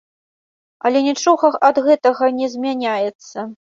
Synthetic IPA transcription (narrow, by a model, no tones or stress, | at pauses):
ɐlʲɛnʲɛt͡ʂɔɣɐxɐd̪ɣɛt̪ɐɣɐnʲɛzʲmʲanʲajɛt̪sːɐ